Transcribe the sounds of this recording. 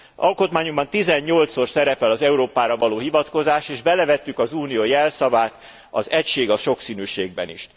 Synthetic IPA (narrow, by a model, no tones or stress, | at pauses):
ʔɒ̰lko̞t̪maːɲombɒnt̪izɛɲːo̞lt̪so̞rsɛɾɛpɛlɒzɛuɾoːpaːɾɒvɒloːɦivɒt̪ko̞zaːʃeːʒbɛlɛvɛt̪ːykɒzuːnijojɛlsɒvaːt̪ | ɒ̰zɛcʃeːɡɒʃo̞ksiːnyːʃeːɡ̚bɛ̰nḭʃ